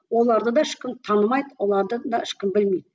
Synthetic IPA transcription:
wo̞lˠɑɾd̪əd̪ɑɪʃkʲɪmt̪ʰɑnəmɑjd̪əwo̞lˠɑɾd̪əd̪ɑɪʃkʲɪmbɪlmejd̪̚

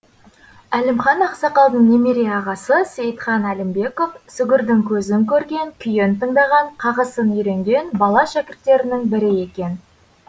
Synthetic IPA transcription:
ælemχɑnɑqsɑqɑlˠnəɴnemeɾeɑʁɑsəsejt̪χɑnælɪmbe̞ko̞fsʏɡʲɪɾd̪ɪŋkʲʰɵzɪŋkʲʰɵɾɡʲe̞ŋkʲʰʏjent̪ʰəɴd̪ɑʁɑɴqʰɑʁəsənʏjɾe̞ŋɡʲe̞nbɑlˠɑʃækʲɪɾt̪ːe̞ɾɪnɪŋbɪɾɪe̞kʲe̞n

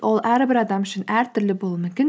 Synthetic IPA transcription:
ʔolˠʔæɾbɪɾɑd̪ɑmʏʃɪnæɾt̪ʰʏɾlɪbolˠmʏmʲkʲɪn

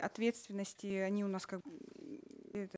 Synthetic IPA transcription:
ʔɐt̪vʲe̞t̪st̪vʲɪnːəsʲtʲɪɐnʲiʊnaskaɡ | ɛt̪

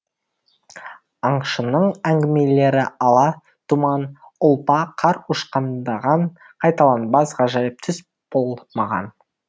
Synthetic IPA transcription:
ɑɴʃənəɴæŋɡʲɪme̞le̞ɾɪɑlˠɑ | t̪ʰumɑnʊlˠpɑqʰɑɾuʃqɑnd̪ɑʁɑɴ | qʰɑjt̪ɑlˠɑnbɑsʁɑʒɑjəp̚t̪ʰʏs | b̥olˠmɑʁɑ̰n

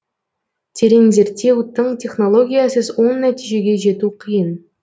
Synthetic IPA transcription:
t̪ʲʰeɾenze̞ɾt̪ʲːe̞wt̪ːəɴt̪ʰʲe̞χno̞lˠo̞ɡʲijasəzwo̞nːæt̪iʒe̞ɡʲe̞ʒe̞t̪uqʰəjən

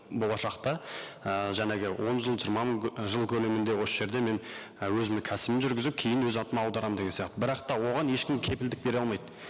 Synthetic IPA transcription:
bolˠɑʃɑqt̪ɑəʒæneɡʲɪwʔo̞nʒəlˠʒijɾmɑməɴʒəlˠkʲʰɵle̞mɪnd̪e̞wo̞səʒe̞ɾd̪e̞me̞n | wɵzɪmɪŋkʲʰæsɪmɪnʒʏɾɡʲɪzɪp̚kʲʰejɪnwɵzɑnt̪əmɑɑwd̪ɑɾɑmd̪eɡʲesijɑqt̪əbɪɾɑqt̪ɑwo̞ʁɑne̞ʃkʲɪmkʲʰe̞pɪld̪ɪk̚be̞ɾɑlˠmɑjd̪

